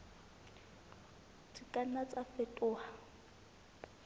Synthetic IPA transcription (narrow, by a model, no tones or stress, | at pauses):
t͡sʰʼikʼanat͡sʼafɛtʼʊːha